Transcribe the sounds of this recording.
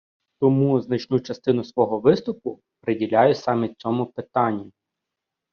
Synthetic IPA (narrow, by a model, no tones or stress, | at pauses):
t̪ɔmuznɐt͡ʃnut͡ʃɐst̪ɪn̪ʊsʋɔɦɔʋɪst̪ʊpʊ | pɾɪdʲilʲajʊsɑmʲit̪̚ʲt͡sʲɔmʊpɪt̪ɑnʲːi